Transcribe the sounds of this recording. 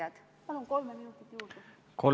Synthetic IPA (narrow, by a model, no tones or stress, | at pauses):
ɑd̪̥ | mɑnlunko̞lmeminut̪ːˑit̪ːjuːd̪u | kʰo